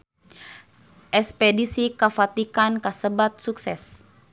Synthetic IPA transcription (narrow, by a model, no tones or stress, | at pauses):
ʔɛspɛdisikafat̪ikankəsəbat̪̚suksɛs